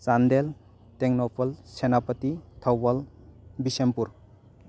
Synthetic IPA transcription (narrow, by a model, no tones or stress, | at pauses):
sandel | teŋnɔpʰɔlsenapətitʰawbal | bisempuɾ